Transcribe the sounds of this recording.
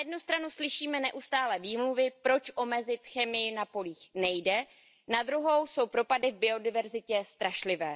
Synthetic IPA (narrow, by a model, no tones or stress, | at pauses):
jɛdnust̪ɾanuslɪʃiːmɛnɛʔust̪aːlɛviːmluvɪpɾo̞t͡ʃʔo̞mɛzɪt̪xɛmɪjɪnapo̞liːxnɛjdɛ | nad̪ɾuɦo̞wso̞wpɾo̞padɪvbɪo̞dɪvɛɾzɪcɛst̪ɾaʃlɪvɛː